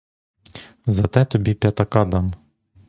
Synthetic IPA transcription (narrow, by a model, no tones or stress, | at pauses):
zɐt̪ɛt̪ɔbʲipʲjɐt̪ɐkɑd̪ɑm